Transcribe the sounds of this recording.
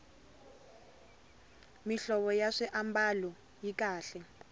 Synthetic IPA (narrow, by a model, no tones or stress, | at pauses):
miɬɔɓɔjaʂiʔambalɔ | jikʼaːɬɛ